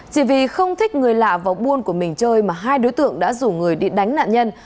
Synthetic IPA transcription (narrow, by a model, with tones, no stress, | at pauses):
t͡ɕi˧˩vi˨˩xə˧wŋ͡mt̪ʰï˦˥k̟̚ŋɨ˨˩əjla̰ː˧˨vaː˨˩wɓu˧ənku˧˩əmï˨˩ŋ̟t͡ɕəː˧jmaː˨˩ɦaː˧jɗo˨˦jt̪ɨ̰˧˨əŋɗa̰ː˧˥zu˧˩ŋɨ˨˩əjɗi˧ɗa˨˦jŋ̟na̰ː˧˨nɲə˧n